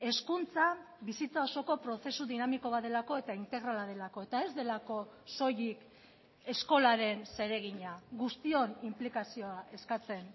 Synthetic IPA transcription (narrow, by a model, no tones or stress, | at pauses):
e̞skunt͡sa | βisit͡sao̞so̞ko̞pɾo̞se̞suðinamiko̞βae̞lako̞e̞t̪aint̪e̞ɣɾalað̞e̞lako̞e̞t̪ae̞zd̪e̞lako̞so̞jik | e̞sko̞laɾe̞nse̞ɾe̞ɣ̞iɲaɣust̪io̞nimplikasio̞aʔe̞skat͡se̞n